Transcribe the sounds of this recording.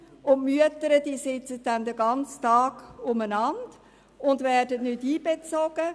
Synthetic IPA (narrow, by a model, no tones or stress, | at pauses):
ʊntmyətəɾəd̥iːsɪt͡sət̚dɛnd̪əɡɑnt͡stɑːɡ̥ʊmənɑnd̥ | ʊndvɛːrdətnʏtiːbet͡sɔɡ̥ə